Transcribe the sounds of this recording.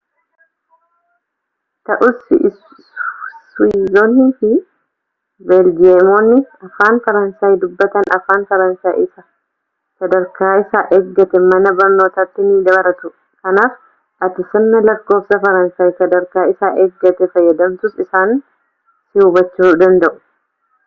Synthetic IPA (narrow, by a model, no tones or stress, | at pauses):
t̪ɐʔʊs | swiːzoːnhɪnfɪ | bɛlɡɪemoːnːɪɐfaːnfɐɾɐnsaːjd̪ʊbːɐt̪ɐnɐ̰faːnfɐɾɐnsaːjɪsɐ | sɐd̪ɐɾkaːɪsaːʔeːɡːɐt̪ɛmɐnɐbɐɾno̞ːt̪aːt̪ːɪmiːd̪ɐbɐɾɐt̪ʊ | kɐnaːf | ʔɐt̪ɪsɐnːɐlɐkːo̞ːfsɐfɐɾɐnsaːjsɐd̪ɐɾkaːɪsaːʔeːɡːɐt̪ɛfɐjːɐd̪ɐmt̪ʊsɪsaːn | sɪubɐt͡ʃːuːd̪ɐnd̪ɐʔʊ̥